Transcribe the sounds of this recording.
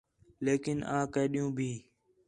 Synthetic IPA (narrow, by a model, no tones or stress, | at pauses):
leːkɪnãːkəːɗijũːbʱiː